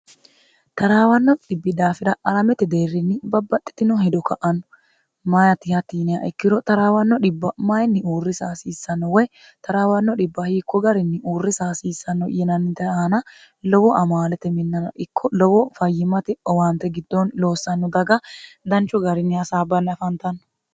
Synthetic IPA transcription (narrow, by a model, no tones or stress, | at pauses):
t̪ɐɾaːwɐnːɔᶑɪbːɪd̪aːfɪɾɐɐɾɐmɛt̪ɛd̪eːrːɪnːɪbɐbːɐt̪ʼːɪ̥t̪ɪnɔhɛd̪ɔkɐʔɐnːɔ̥ | mɐjɐt̪ɪhɐt̪iːnɪja̰ʔɛkːɪɾɔt̪ɐɾaːwɐnːɔᶑɪbːɐmɐjnːɪuːrːɪsaːsiːsːɐnːɔwɛj | t̪ɐɾaːwɐnːɔᶑɪbːɐhiːkːɔɡɐɾɪnːɪʔuːrːɪsaːsiːsːɐnːɔjɛnɐnːɪt̪ɛɐɐnɐ | lɔwɔʔɐmaːlɛt̪ɛmɪnːɐnɐʔɪkʰːɔlɔwɔfɐjːɪmɐt̪ɪɔwant̪ːɛɡɪd̪ːɔnlo̞ːsːɐnːɔd̪ɐɡɐd̪ɐnt͡ʃːʊɡɐɾɪnːɪɐsaːbɐnːɪɐfɐnt̪ɐnːɔ̥